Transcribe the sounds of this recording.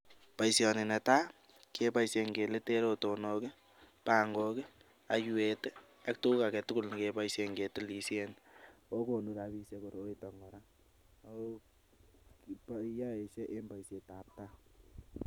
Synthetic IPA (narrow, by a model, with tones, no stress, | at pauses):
pa˨jsjɔ˨nɪ˨nɛ˨ta˦ | kʰe˦pa˦jsje˨ŋɡe˨le˦te˦ɾoto˨nokɪ˦ | pa˨ŋɡokɪ˦ | a˨juet | a˦k̚tu˦ka˨kɛ˨tu˦ku˦lnikepa˦jse˨ŋɡe˨tɪ˦li˨sjeno˦ko˨nu˨ɾa˨bi˦sje˦ko˨ɾo˦itɔ˨ŋɡɔ˨ɾa˦ | paja˦e˨se˦ʔe˦mba˨jse˨ta˨p̚ta˦